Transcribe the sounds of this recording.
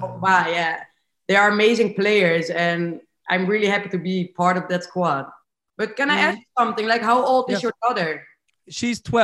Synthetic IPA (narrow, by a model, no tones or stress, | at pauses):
owajæ | ðəə˞əmeɪzɪ̃ŋpleɪə˞zɨ̃n | ʔã̰ɪ̃mɹɪlˠiɦæpitɨbipʰɑɹɾʌvðɨtskʰwɔd̚ | b̥ʌt̚kɛ̃naɪæsusʌ̃mθɪ̃ŋlaɪkɦaʊoʊlˠdɨzjə˞dɔðə˞ | ʃiz̥tʰwɛ